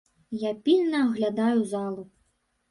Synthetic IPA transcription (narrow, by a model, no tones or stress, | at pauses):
japʲilʲnɐːɣlʲad̪ajuzalˠu